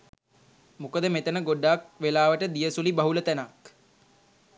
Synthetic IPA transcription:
mukəd̪əmet̪ənəɡoɖak̚ʋelaːʋəʈəd̪ijəsulibaɦulət̪ænak

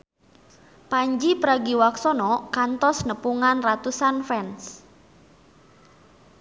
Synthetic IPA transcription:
paɲd͡ʒipɾaɡiwaksɔnɔkant̪ɔsnəpuŋanrat̪usanfɛns

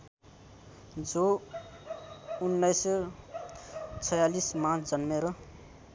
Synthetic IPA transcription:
d͡zo | unːʌjs | t͡sʰʌjalismãd͡zʌnmeɾʌ

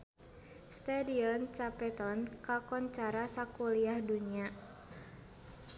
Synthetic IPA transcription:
st̪adiɔnt͡ʃapɛt̪ɔnkakɔnt͡ʃaɾasakoliahdunia

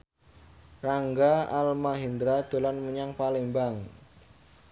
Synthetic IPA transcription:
raŋɡaalmaɦind̪ɾad̪̥o̤lanməɲaŋpalembaŋ

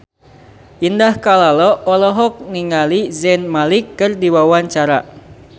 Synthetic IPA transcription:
ʔindahkalalɔɔlɔɦɔk̚niŋalizɛnmalikːɨrdiwawaɲt͡ʃaɾa

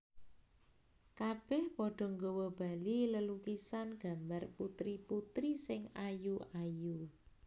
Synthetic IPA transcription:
kab̥ɛhpɔɖ̥ɔ̤ŋɡowɔb̥a̤liləlukisanɡ̥a̤mbarput̪ɾiput̪ɾisɪŋajuaju

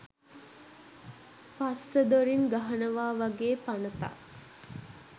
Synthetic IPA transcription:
pasəd̪oɾiŋɡaɦɐnəʋaːʋaɡeːpanət̪a̰k

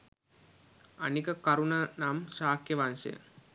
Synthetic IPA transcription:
a̰nikəkaɾunənamʃaːkjəʋanʃḛ

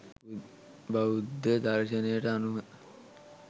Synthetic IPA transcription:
baud̪ːəd̪aɾʃənejəʈəanuʋə

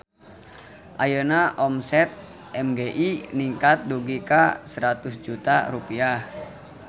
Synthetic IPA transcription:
ʔajənaʔɔmsɛt̪̚ | ʔɛmɡeʔiniŋkat̪̚duɡikasəɾat̪usd͡ʒut̪aɾupiah

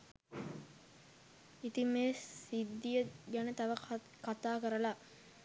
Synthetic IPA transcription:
it̪imeːsid̪ːijəɡanət̪ɐʋə | kat̪aːkəɾəla

